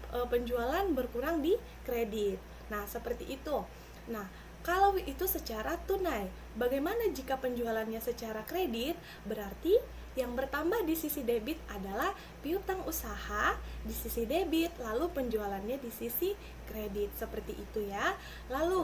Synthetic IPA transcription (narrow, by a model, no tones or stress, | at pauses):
ʔəpəɲd͡ʒualanbərkuɾaŋdi | kɾedɪt̪̚ | nahsəpərt̪iʔːt̪u | nah | kalawit̪usət͡ʃaɾat̪unaj | baɡajmanad͡ʒikapəɲd͡ʒualanɲasət͡ʃaɾakɾedit̪̚ | bəɾart̪i | jaŋbərt̪ambahdisisidebɪt̪̚adalah | piut̪aŋusahadisisidebit̪lalupəɲd͡ʒualanɲadisisi | kɾedit̪̚səpərt̪iʔit̪uja | lalu